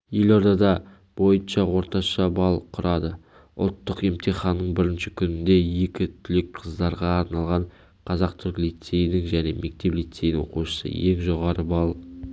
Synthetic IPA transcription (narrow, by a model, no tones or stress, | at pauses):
je̞lo̞ɾd̪ɑd̪ɑ | b̥o̞jənʃɑwo̞ɾt̪ɑʃɑbɑlˠqʰʊɾɑd̪ə | ʊ̰lˠt̪ːəqe̞mt̪ʰiχɑnːəɴbɪɾɪnʃɪkʲʰʏnɪnd̪e̞je̞kʲɪt̪ʰʏlek̚qʰəzd̪ɑɾʁɑːɾnɑlˠʁɑɴ | qʰɑzɑqt̪ʰʏɾklit̪se̞jnɪŋʒæne̞mʔe̞k̚t̪e̞plit̪sej̪ɪŋwo̰quʃə̥sə̰je̞ŋʒo̞ʁɑɾəbɑlˠ